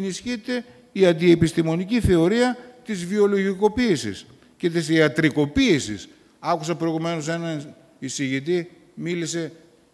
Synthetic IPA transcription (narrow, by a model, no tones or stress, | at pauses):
nisçit̪e̞ | iɐnd̪iepist̪imo̞niciθe̞o̞ɾiɐt̪izvio̞lo̞ʝiko̞piːsḭs | ce̞t̪isiɐt̪ɾiko̞piːsḭs | ɐkusɐpɾo̞iɣume̞no̞se̞nɐn | isiʝit̪̬i | milise̞